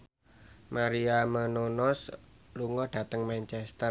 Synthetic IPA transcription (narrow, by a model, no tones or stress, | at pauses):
maɾiamənonɔsluŋɔd̥ä̤t̪əŋmant͡ʃɛst̪ər